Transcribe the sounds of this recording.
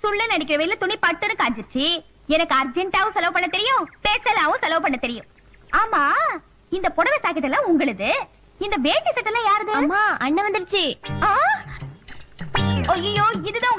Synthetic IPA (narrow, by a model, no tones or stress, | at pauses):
sʊɭːɐnɐɽɪk̬ʲːɪɾɐʋɐjɪlɐt̪ʊɳipɐʈːɯnːɯkaːd͡ʒɯɾɯt͡ʃːɯ | ɛnɐkːɯɐɾd͡ʒɛɳʈaːʋʊ̃sɐlɐːpɐɳːɐt̪ɛɾɪjʊ̃peːsɐlaːʋʊ̃sɐlɐːpɐɳːɐt̪ɛɾɪjʊ̃ | aːmaː | ɪnd̪ɐpɔɽɐʋɛsaːkɐʈːɐlːãːʊŋɡɐɭɯðɯ | ɪnd̪ɐʋeːʈːisɐʈːɐlːãːjaːɾðɯmaːɐɳːɐʋɐnd̪ɯɽt͡ʃːɯaː | oːɐjoːɪðɯðãː